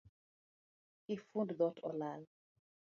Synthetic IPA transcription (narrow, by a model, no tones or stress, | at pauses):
ifũnddɔtʰɔlal